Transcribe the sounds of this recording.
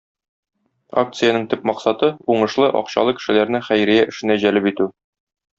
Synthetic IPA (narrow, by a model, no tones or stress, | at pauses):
a̰k̚t̪sɨjanɤɴt̪ɘp̚mɒqsɑt̪ɤuɴɤ̆ʃlˠɤʔɒ̰qɕɑ̰lˠɤkɘ̥̆ʃɘ̆læɾnɘχæjɾijæʔɘ̆ʃɘ̆næʑælɘpit̪ʉ